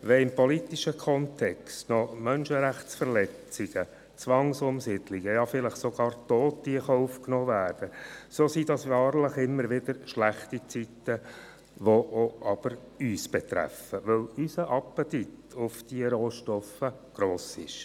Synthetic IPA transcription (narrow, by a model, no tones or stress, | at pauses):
ʋɛɪmpɔlit̪iʃəkʰɔnt̪ʰɛkstnɔmœnʃəɾæχtsfəɾlɛt͡siɡ̥ə | t͡sʋɑŋsʊmsidliɡ̥əjɑfɪləχsoɡ̥ɑːɾtoːtːiəχɑufknɔːvæːɾd̥əsoːsidɑsʋɑːɾləχɪmːəɾʋɪd̥̪əɾʃlæχtit͡sit̪ːə | ʋoʔoʔɑb̥əɾ | yːsb̥ɛt̪ɾæ̰fəʋɵlysəʔɑpətit | ʊfd̥iəɾoːʃtɔfə | ɡ̥ɾoːsɪʃ